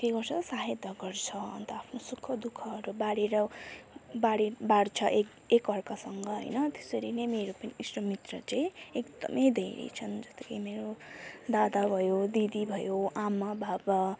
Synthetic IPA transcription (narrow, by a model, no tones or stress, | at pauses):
k̪eɡʌrsʰʌsaɦed̪ʱʌɡʌrt͡sʰʌʌ̰nt̪ʌapʰnosukʰːʌd̪ukʰʌːɾubaɽeɾʌ | baɽibaɽt͡sʰʌʔe | ekʌrkasʌŋɡʌɦʌ̰jnʌt̪e̥sʌɾinemeɾopʌniisʈʌmit̪rʌt͡saĩekd̪ʌ̰mʌjd̪ʱeɾḛt͡sʰʌnd͡zʌst̪ekajmeɾod̪ad̪abʱʌjod̪id̪ibʱʌjoʔamabʱabʌ